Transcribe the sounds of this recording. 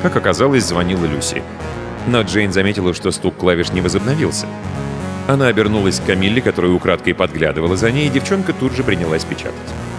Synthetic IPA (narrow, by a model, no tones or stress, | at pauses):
kakɐkɐzalˠəsʲzvɐnʲilˠəlʲusʲɪ̰ | noʐejnzɐmʲetʲɪlˠəʂt̪o̞st̪ukːlˠavʲɪʂnʲɪvəzəbnɐvʲilˠsʲə̥ | ɐnaɐbʲɪrnulˠəsʲkkɐmʲilʲːɪkɐt̪o̞ɾəjʊʊkɾat̪kəjpɐd̪ɡlʲa̰d̪ɨvəlˠəzɐnʲejɪdʲɪft͡ɕo̞nkət̪udʐɨpɾʲɪnʲɪlˠasʲpʲɪt͡ɕa̰t̪ə̥tʲ